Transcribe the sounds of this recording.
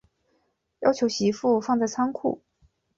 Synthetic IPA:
jɑ˥ʊt͡ɕʰjo˧˥ʊɕi˧˥fu˥˧fɑ˥˧ŋt͡sa˥˩ɪt͡sʰɑ˥ŋkʰṵ˥˩

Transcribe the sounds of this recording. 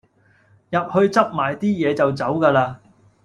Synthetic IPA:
jɐ˨p̚hɵ˧ɥt͡sɐ˥p̚maː˨˩jt̪iː˥jɛː˨˧t͡sɐ˨wt͡sɐ˨˥wkaː˧laː˧

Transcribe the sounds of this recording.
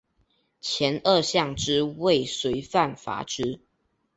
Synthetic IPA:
t͡ɕʰjɛ˨˦nə˥˧ɕjɑ˥˨ŋʈ͡ʂɻ̩˦we˥˨ɪswe˧˥ɪfa˥˨nfa̰˧˥ʈ͡ʂɻ̩˥

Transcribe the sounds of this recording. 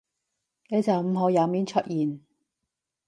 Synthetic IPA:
neː˨˧t͡sɐ˨wm̩˨˧ɦo˨˧wjɐ˨˧miː˨˧˥nt͡ʃʰɵ˥t̚jiː˨˩n

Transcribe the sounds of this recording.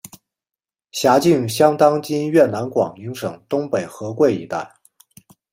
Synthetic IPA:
ɕja˧˥t͡ɕi˥˩ŋɕjɑ˥ŋt̪ɑ˥ŋt͡ɕi˥nɥɛ˥˩na˧˥nkwɑ̰˨˩ŋi˧˥ŋʂɤ˨˩ŋt̪ʊ˥ŋpe˨˩ɪxɤ˧˥kwe˥˩ɪḭ˧˥t̪a˥˩ɪ

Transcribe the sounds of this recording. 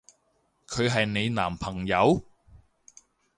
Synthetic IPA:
kʰɵ˨˧ɥɦɐ˨jne˨˧jna̰ː˨˩mpʰɐ˨˩ŋjɐ˨˧w

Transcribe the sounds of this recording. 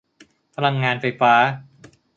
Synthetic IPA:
pʰa˧la˧ŋːaː˧nfa˧jfaː˦˥

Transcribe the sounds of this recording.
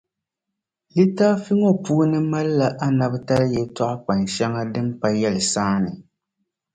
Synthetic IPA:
li˦taː˦fi˦ŋɔ˦puː˦nɨ˦ma˦lla˨ʔa˦na˨bta˦ɾjɛ˨tɔ˦ʔʊ˦k͡pa˨nʃɛ˦ŋa˦dɨ˦mpa˦jɛ˦lɨ˨saː˦nɨ˨

